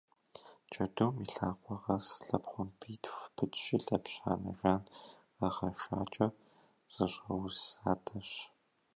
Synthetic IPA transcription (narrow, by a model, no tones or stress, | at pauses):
t͡ʃʼɐduːmiɬaːqʷɔʁɐsɬɐpχʷʊmpʰiːtʰxʷpʰɨtɕiːɬɐpɕa̰ːnɐ̰ʒaːn | ɐʁɐʃa̰ːt͡ʃʼɐ | z̥ɨɕʼɐwsaːtʰʼɐɕ